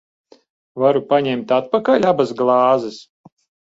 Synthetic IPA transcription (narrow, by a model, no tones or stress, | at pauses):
vaɾupaɲɛmt̪at̪̚pakaʎʲabasɡlˠɑːzɛs